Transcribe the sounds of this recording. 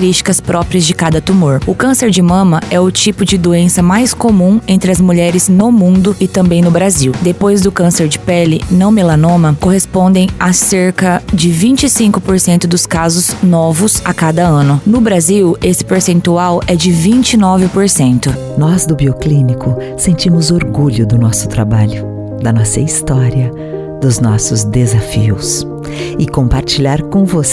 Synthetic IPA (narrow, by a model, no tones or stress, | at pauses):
ɾiʃt͡ʃi̥kɐspɾɔpɾiɐzd͡ʒɪkad̪ɐt̪umoɾʊkɐ̃seɾd͡ʒɪmɐ̃mɐɛʊt͡ʃipʊd͡ʒɪd̪oẽsɐmajskomũẽnt̪ɾɪɐzmuʎɛɾɪznʊmũnd̪ʊɪt̪ɐ̃mbẽj̃nʊbɾaziwd̪epojzd̪ʊkɐ̃seɾd͡ʒɪpɛlɪnɐ̃w̃melɐ̃nõmɐkoɦespõnd̪ẽj̃aseɾkɐd͡ʒɪvĩnt͡ʃɪsĩŋkʊpoɾsẽnt̪ʊd̪ʊskazʊznɔvʊsakad̪ɐɐ̃nʊnʊbɾaziwesɪ̥peɾsẽnt̪uawɛd͡ʒɪvĩnt͡ʃɪnɔvɪpoɾsẽnt̪ʊ | nɔzd̪ʊbioklĩnikʊsẽnt͡ʃĩmʊzoɾɡuʎʊd̪ʊnɔsʊ̥t̪ɾabaʎʊ | d̪ɐnɔsɐist̪ɔɾiɐ | d̪ʊznɔsʊzd̪ezafiʊs | ɪkõpaɾt͡ʃiʎaɾkõvos